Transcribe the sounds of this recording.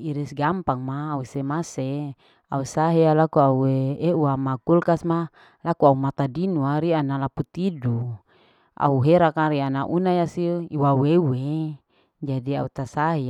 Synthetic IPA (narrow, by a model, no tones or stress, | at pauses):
iɾisɡampaŋmaːusemase | ausaɦialakuaueeuamakulkasma | lakuaumat̪adinuaɾianalaput̪idu | a̰uɦeɾakaɾianaʔunajasiiwawewe | d͡ʒadia̰ut̪asaɦi